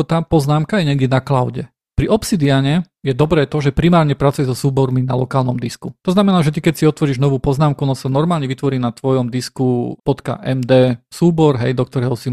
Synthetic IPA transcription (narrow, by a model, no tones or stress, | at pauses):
t̪aːpɔznaːmkajɛɲɛɡd̪ʲɛnaklaʊɟɛ | pɾiʔɔpsid̪iaɲɛ | jɛd̪ɔbɾɛːt̪ɔʒɛpɾimaːɾɲɛpɾat͡sujɛzɔsuːbɔɾminalɔkaːlnɔmd̪iskut̪ɔznamɛnaːʒɛt̪ikɛcsiɔt̪ʋɔɾiːʒnɔʋuːpɔznaːmkuɔnɔsanɔɾmaːlɲɛʋit̪ʋɔɾiːnat̪ʋɔjɔmd̪iskupɔt̪ka̰ʔɛmd̪ɛːsuːbɔɾɦɛ̰jd̪ɔk̚t̪ɔɾɛɦɔsi